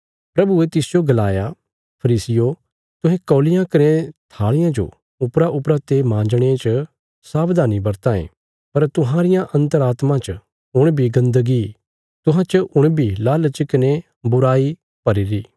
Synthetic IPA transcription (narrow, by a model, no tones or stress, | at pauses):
pɾɐbuet̪ɪsd͡ʒoɡɐlaːja | pʰɐɾiːsɪjo | t̪ʊ̃ɦɛ̃kɔːlɪjãkɐɾẽt̪ʰaːɭɪjãd͡ʒo̰ | ʊpɾaʔʊpɾat̪emãːd͡ʒɽ̃et͡ʃ | saːbd̪ʱaːnibɐɾt̪ãːḛ̃ː | pɐɾt̪ʊɦãːɾɪjãʔɐ̃nt̪əɾaːt̪mãt͡ʃ | ʊɽ̃bʱiɡɐ̃nd̪əɡi | t̪ʊɦãt͡ʃʔʊɽ̃bʱilaːlət͡ʃkɐne | bʊɾaːi | pɐɾiɾiː